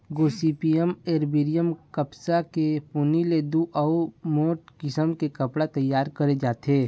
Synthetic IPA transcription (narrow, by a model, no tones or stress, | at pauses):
ɡoːsiːpiəmeːɾbiɾijəmkəpsakepuniled̪uʔɐumoːʈkɪsəmkekɐpɽat̪ɐjːaːɾkɐɾed͡ʒaːt̪eː